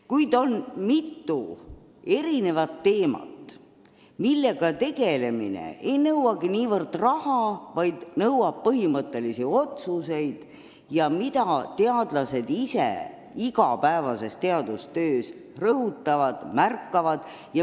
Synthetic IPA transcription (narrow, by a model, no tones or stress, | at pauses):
kujd̪o̞nmit̪ːu | e̞ɾine̞vɑt̪ːe̞ːmɑ̰t̪ːˑ | milːe̞ɡ̥ɑt̪e̞ɡe̞le̞minḛe̞jnɤwwɑɡ̥iniːvɤrd̪rɑhɑvɑjd̪̥nɤwwɑb̥̚pɤɦimɤt̪ːˑe̞lisio̞t̪suse̞jd̪̥ | jɑmit̪ɑt̪e̞ɑd̪lɑse̞d̪isḛ | iɡɑpæevɑse̞st̪e̞ɑd̪ust̪øːs | rɤɦut̪ːˑɑvɑd̪̥mærkˑːɑvɑd̪̥ | jɑ